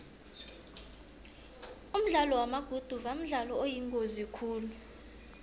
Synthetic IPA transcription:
um̩ɮalɔwamaɡ̥ʱud̥ʱuvam̩ɮalɔojiŋkʼozikʰuːlu

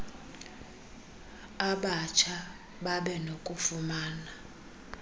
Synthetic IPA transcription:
aɓat͡ʃʰa | ɓaɓɛnokʼufumaːna

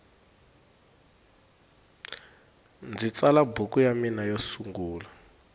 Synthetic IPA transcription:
nd͡zit͡salabukʼujaminajosuŋɡuːla

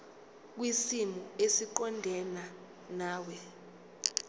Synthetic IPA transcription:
k̬wisimuesiǃɔndʱɛna | naːwɛ

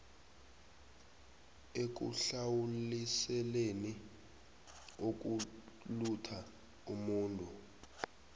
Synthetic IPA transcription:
ek̬ṵɬawulisɛleni | ok̬ulutʰa | umuːntʼu

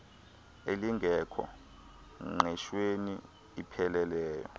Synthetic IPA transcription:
eliŋɡʱɛkʰɔ̰ | ŋɛʃweniː | pʰɛlɛlɛːjɔ̰

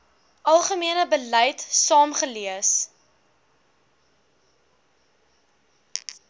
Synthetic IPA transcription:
ʔɐlˠχəmiənəbəlɛjtsɑːmχəliəs

